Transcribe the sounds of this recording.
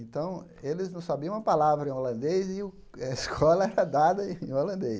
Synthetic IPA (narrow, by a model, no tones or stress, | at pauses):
ẽnt̪ɐ̃w̃elɪznɐ̃w̃sabiɐ̃ũɐpalavɾɐẽolɐ̃nd̪ejzɪʊ | ɐiskʰɔlɐɛɾɐd̪ad̪ɐẽolɐ̃nd̪e